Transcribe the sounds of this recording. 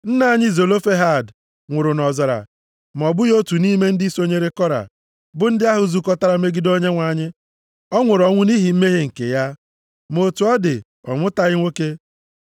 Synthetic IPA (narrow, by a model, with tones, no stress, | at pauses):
n̩˦na˦ɲɪ˦zo˨lo˦fe˦ɦa˦˨d | ŋʷʊ˨ɾʊ˨nɔ˨zɔ˨ɾa̰˨ | m̩˨ɔ˨bʊ˦jo˦tu˨ni˦me˦n̩˦dɪ˦i˦so˦ɲe˦ɾe˦kɔ˦ɾa̰˨ | bʊ˦n̩˦dɪ˦a˦ɦʊ˨zu˦kɔ˦ta˦ɾa˨me˦ɡi˦do˦ɲe˦ŋʷa˨ɲɪ˦ | ɔ˦ŋʷʊ˨ɾɔ˨ŋʷʊ˦ni˦ɦi˨m̩˦me˦ɦe˦ŋ̩˨kḛ˨ja˦ | mo˨tu˨˦ɔ˦dɪ˨ | ɔ̰˨ŋʷʊ˦ta˨ɣɪ˦ŋʷo˦ke˦